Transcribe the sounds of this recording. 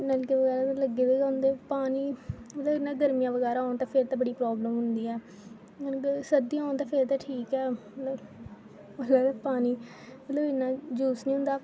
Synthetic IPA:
nalkeʋəɡɛːɾaːt̪ãləɡːeːd̪eːɡaʊnd̪eːpaːniːmət̪ləːɪnːãːɡəɾmɪjãːʋəɡɛːɾaːoːnt̪ãːpʰɪɾt̪ãːbəɽiːpɾɔːbləmɦʊnd̪iːɛː | səd̪iːãːnt̪ãːpʰeɾt̪ãːʈʰiːkɛːmət̪ləb | məɛːɾapaːniː | mət̪ləbɪnːãːd͡ʒuːsnĩːɦʊ̃nd̪aː

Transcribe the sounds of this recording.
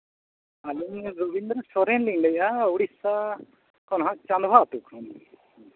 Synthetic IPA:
alinɾubind̪ɾsɔɾɛnliŋɖɛjauɽisa | kɔnɦãʔt͡ʃand̪bʱaːt̪ukʰɔn

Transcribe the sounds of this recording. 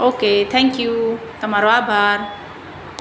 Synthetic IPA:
oːkeːt̪ʰɛ̃ŋkjut̪ɐmaːɾoaːbʱaːɾ

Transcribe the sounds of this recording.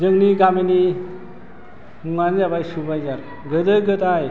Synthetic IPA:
zəŋniɡameni | muŋanizabajsubajzaɾ | ɡəd̪əjɡət̪aj

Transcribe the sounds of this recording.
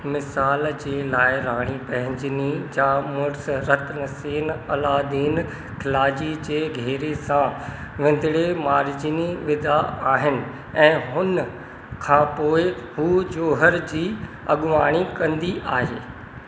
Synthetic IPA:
mɪsaːld͡ʑeːlaːɪɾaːɽ̃ipɐ̃ɦɪ̃ɲd͡ʑɪnid͡ʑaːmʊɾsɾɐt̪ʰnɐseːnɐlaːd̪iːn | kʰɪlaːd͡ʑid͡ʑeːɡʱeːɾesãʋɪ̃n̆d̪ʱɪɽemaːɾd͡ʑiniʋɪd̪ʱaaːɦɪnɪ̆ | ɛ̃ːɦʊn | kʰãpoːɪhud͡ʑoːɦəɾd͡ʑiː | ɐ̰ɠʊʋaːɽ̃ikɐ̃nd̪iʔaːɦeː

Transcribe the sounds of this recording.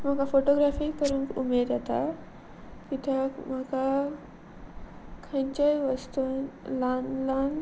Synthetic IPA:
m̤akafoʈoɡɾafiːkəɾũːnkumeɾjat̪a̰ | kit̪jaməka | kʰẽɲt͡ɕajʋəst̪ulanlan

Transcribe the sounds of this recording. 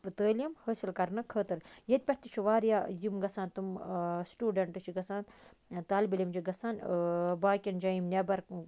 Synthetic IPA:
pɨt̪əːlʲjɐmhəːsilkɐɾnɐkʰəːt̪ɨɾjɐt̪̚ʲpʲɐhʲt̪it͡ʃʰiʋaːɾjaːjimɡɐsãːnt̪umsʈuːɖɐɳʈɨt͡ʃʰiɡɐsaːn | t̪aːlbɐlʲimd͡ʒiɡɐsaːnbaːkʲind͡ʒaːjimnʲebɐɾ

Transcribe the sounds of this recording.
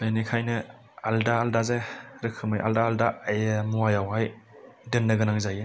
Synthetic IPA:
benikʰajnɯ | aldaːldazaɾɯkʰɯmɯjʔa̰ldaːldajmuwajawɦajdɯnːɯɡɯnaŋzaj

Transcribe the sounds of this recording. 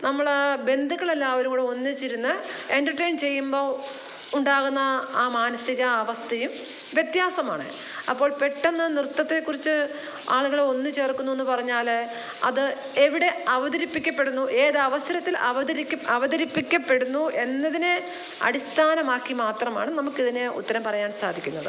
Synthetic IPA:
nɐmːɐɭbe̞nd̪ʱuɣɐɭelːaːɐʋɐɾumuːɽeo̞nːɨt͡ɕːiɾunːɐendɐrʈejɳt͡ɕe̞jːumbo̞ː | uɳɖaːɣunːɐaːmaːnɐsiɣɐːʋɐst̪ʰɐjum | ʋjet̪jaːsɐma̰ːɳɨ̰ | ɐpːo̞ːɭpe̞ʈːenːɐnrɨt̪ːɐt̪ːe̞kːurit͡ɕːɨ | aːɭuɣɐɭo̞nːɨt͡ɕe̞ːrkːunːue̞nːupɐrɐɲːaːl | ɐðɨ | eʋiɽe̞ɐʋɐðɐɾipːikʲːɐpːe̞ɽunːuʔe̞ːðɐʋɐsɐɾɐt̪ːilɐʋɐðɐɾiɐɐʋɐðɐɾipːikʲːɐpːe̞ɽunːuʔe̞nːɐðine | ɐ̰ɽist̪ʰaːnɐmaːkːimaːt̪rɐma̰ːɳɨnɐmukːiðine̞ṵt̪ːɐɾɐmpɐrɐjaːnsaːd̪ʱikʲːunːɐðɨ̰

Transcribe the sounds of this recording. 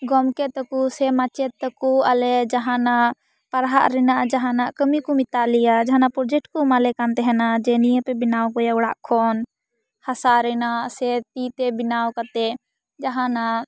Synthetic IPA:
ɡɔmkɛt̪əkusɛmat͡ʃɛt̪ːəkualɛd͡ʒaɦãna | paɾɦaʔɾɛnaʔd͡ʒaɦãnaʔkəmikɔmit̪alijad͡ʒaɦãnapɾɔd͡ʒɛk̚ʈkɔmalɛkant̪ɛɦɛnad͡ʒɛnijəpɛbinawkɔjaʊɽaʔkʰɔn | hasaɾɛnaʔsɛt̪it̪ɛbinawkat̪ɛ | d͡ʒaɦãna

